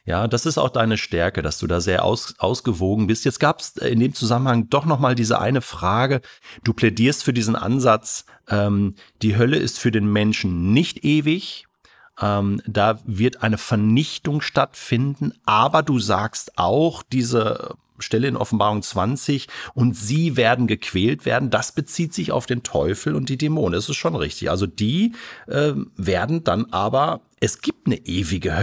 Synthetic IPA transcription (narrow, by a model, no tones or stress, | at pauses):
jaːdasɪsta̰ʊxd̥aɪnəʃtɛɐkədasd̥ṵːdaːzeːɐʔa̰ʊsʔa̰ʊsɡ̥əvoːɡŋ̩bɪstjɛt͡stɡ̥aːpsɪ̰ndeːmt͡suzamənhaŋd̥ɔχnɔχmaːldiːzə̰ʔa̰ɪnəfʁ̥aːɡəd̥uːpʰl̥ɛdiːɐstfyːɐdiːzn̩ʔa̰nzat͡s | ʔɛːmd̥iːɦœləʔɪ̰stfyːɐdeːnmɛnʃn̩nɪçtʔeːvɪç | ʔɛːmd̥aːvɪɐtʔaɪnəfɛɐnɪçtʊŋʃtatfɪndn̩ʔaːbɐduːzaːkstʔa̰ʊxd̥iːzə | ʃtɛləɪnʔɔ̰fn̩baːʁʊŋt͡sv̥ant͡sɪçʔʊntz̥iːveːɐdn̩ɡəkʰv̥ɛːltv̥ḛːɐdn̩dasb̥ət͡siːtz̥ɪça̰ʊfd̥eːntʰɔ̰ʏfl̩ʊntd̥iːdemoːnədasɪstʃoːnʁɪçtɪçʔa̰lzodiːʔɛːveːɐdn̩danʔaːbɐʔɛsɡ̥iːp̚tnəʔeːvɪɡəh